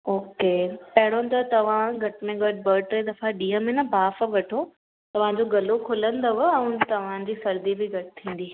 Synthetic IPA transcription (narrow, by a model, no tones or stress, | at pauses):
oːkepɐɦɪɽ̃õn̆t̪ɐt̪ɐʋ̤ãɡʱɐʈɪmẽɡɐʈbɐɾʈd̪ɐfaɗiːɦəmɪnəbʱaːfʋɐʈʰo | t̪ɐʋ̤ãd͡ʑoɡɐlokʰʊlə̃nd̪oʋʊɛ̃ʊ̃t̪ɐʋ̤ãd͡ʑiːsɐɾd̪ibɪɡʱɐʈɪt̪ʰĩːn̆d̪iː